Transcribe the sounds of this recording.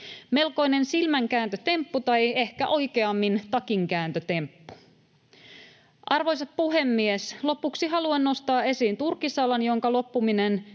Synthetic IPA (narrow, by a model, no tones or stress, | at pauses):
me̞lko̞ine̞nsilmæŋkæːnt̪øt̪e̞mpːut̪ɑje̞hkæʔo̞jkeɑmːint̪ɑkiŋkæːnt̪øt̪e̞mpːu̥ | ʔɑrʋo̞jsɑp̚puɦe̞mːieslo̞puksiɦɑluenno̞st̪ɑːe̞siːnt̪urkːisɑlɑnjo̞ŋkɑlopːuminen